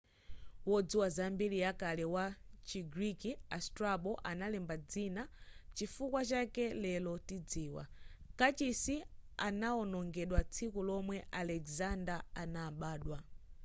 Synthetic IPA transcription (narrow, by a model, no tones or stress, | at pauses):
wɔd͡ziwazambilijakalɛwat͡ʃiɡɾikia̰stɾaɓɔʔanalɛmbad͡zinat͡ʃifukwat͡ʃakɛlɛlɔtid͡ziːwa̰kat͡ʃisianaɔnɔŋɡɛɗwat͡sʰikulɔmwɛʔalɛkzandaanaːɓaːɗwa